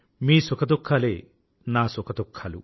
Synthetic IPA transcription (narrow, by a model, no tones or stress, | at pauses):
miːsokʰɐd̪okʰːale | nasokʰɐd̪okʰːalṵ